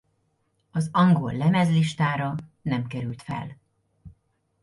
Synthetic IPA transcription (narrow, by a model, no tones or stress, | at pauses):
ɒzɒŋɡo̰lːɛmɛzliʃt̪aːɾɒnɛmkɛɾylt̪fɛ̰l